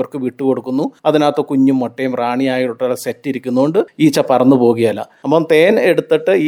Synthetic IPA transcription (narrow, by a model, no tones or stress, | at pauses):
ɐrkɨʋiʈːɨko̞ɽukːunːuɐðinaːt̪ːokuɲːumːoʈːejumraːɳijaːjiʈːuʈːɐlɐsetːiɾikʲːunːuoɳɖɨiːt͡ɕːɐpɐrɐnːupo̞ːɣɐjɐlːɐ̰ɐpːoːmt̪e̞ːne̞ɽut̪ːiʈːɨiː